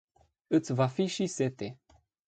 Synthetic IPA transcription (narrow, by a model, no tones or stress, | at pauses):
ɨt̪svafiʃiset̪e